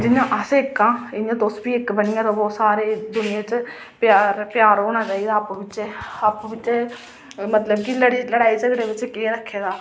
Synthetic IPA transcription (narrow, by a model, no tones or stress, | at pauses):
d͡ʒɪɲãːʔəseɪkːãːɪjãːd̪osbiːɪkbənɪjãːd̪oːbɔːt̪saːɾeːd̪ʊnɪjãːt͡ʃ | paːɾpɪjaːɾoːñãːt͡ʃaːiːd̪aːəpʋɪt͡ʃeːapːʋɪt͡ʃː | mət̪ləb̚kiləɽiləɽaːiːsəɡɽeːʋɪt͡ʃkeːɾəkʰːeːd̪aː